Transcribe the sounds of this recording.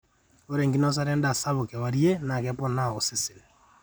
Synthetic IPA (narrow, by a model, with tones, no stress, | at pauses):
o˦ɾɛ˨ŋɡi˦nɔ˦s̬a˦ɾɛ˦nda˨sa˦βo˨kɛ˨wa˨ɾje˦na˨kɛpɔ˦na˦o˨sɪ˦sɪ˨n